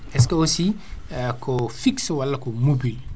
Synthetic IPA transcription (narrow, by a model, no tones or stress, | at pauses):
ɛskɐosi | kʰɔfikswalːakomubil